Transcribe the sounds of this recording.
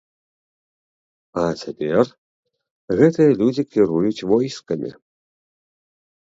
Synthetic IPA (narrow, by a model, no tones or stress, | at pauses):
ɐt͡sʲapʲɛr | ɣɛt̪ɨjɐlʲud͡zʲikʲʰiɾujut͡sʲvɔjskɐmʲʔḭ